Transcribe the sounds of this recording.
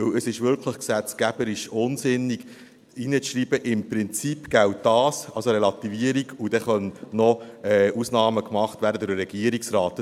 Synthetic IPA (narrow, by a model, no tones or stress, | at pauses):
ɵwəsɪʃʋʏɾkʰləχksɛt͡skæb̥əɾɪʃʊnsɪnːiɡ | inət͡sʃriːb̥əʔɪmpɾɪnt͡sipɡ̥æwtd̥ɑːsɑlsoɾɛlɑt̪iviəɾiɡud̥̪ɛχœnnɔɛːusnɑːməkmɑχtvʋæːɾdədɪːɛɡ̥iəɾiksrɾɑːt̪